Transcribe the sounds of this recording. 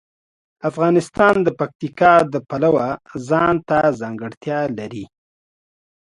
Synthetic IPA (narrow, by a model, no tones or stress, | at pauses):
afɣɑnɪst̪ɑnd̪əpak̚t̪ikɑd̪əpalawazɑnt̪azɑŋɡəɽt̪jɑlaɾi